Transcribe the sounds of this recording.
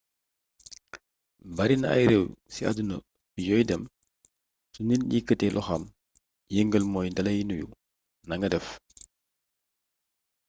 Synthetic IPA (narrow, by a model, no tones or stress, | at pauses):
bɐɾinɐɐ̰jɾɛwsia̰dunə̰ | bijɔːjdɛm | suninɲikːətɛlʔɔxɐm | jəŋɡəlmɔːjndɐlɐjinujṵ | nɐŋɡɐdɛf